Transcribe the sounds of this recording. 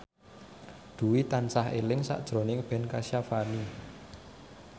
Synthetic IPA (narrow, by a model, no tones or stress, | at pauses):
d̪̥ṳwit̪ansaɦḛlɪŋsa̰ʔd̥ʒ̥ɾo̤nɪŋb̥ɛ̤nkasjafani